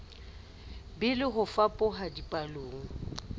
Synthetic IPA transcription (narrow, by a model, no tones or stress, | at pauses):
bɪlɪɦʊfapʼʊɦadipʼaloːŋ̩